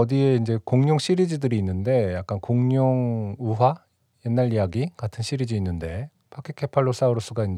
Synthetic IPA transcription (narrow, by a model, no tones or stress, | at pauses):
ʌdieind͡ʑe̞koŋɲoŋɕ͈ʰiɾid͡ʑidɯɾiːnːɯnde̞jak̚k͈ankoŋɲoŋuɦwa | je̞nːaɾijaɡikatʰɯnɕʰiɾid͡ʑiːnːɯnde̞ | pʰakʰekʰe̞pʰaɭːos͈auɾɯs͈uɡain